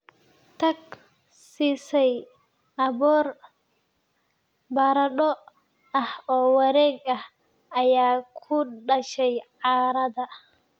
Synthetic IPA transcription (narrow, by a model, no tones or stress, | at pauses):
t̪ʰɐɡ | siːsɛj | ɐβɔːr | bɐɾɐɗɔ | ɐhɔːwɐɾɛːɡɐh | ɐjaːkʰʊɖɐʃɛjʕɑːɾɐðɐ